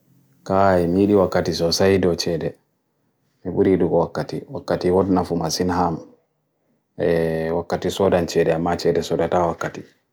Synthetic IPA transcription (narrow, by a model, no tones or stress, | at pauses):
kaimijiɗiwakːatisɔsajdɔt͡ʃɛdɛ | miɓuɾiɗuɡɔwakːatiwakːatiwɔdnafumasinɦam | ɛwakːatisɔdant͡ʃɛɗɛamːat͡ʃɛdɛsɔdatawakːati